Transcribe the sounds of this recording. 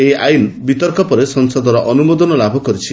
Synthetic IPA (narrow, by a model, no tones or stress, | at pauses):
eajnbit̪ɔɾkɔpɔɾesɔŋsɔd̪ʱɔɾɔʔɔnumod̪ɔnɔlabʱɔkɔɾit͡ʃʰi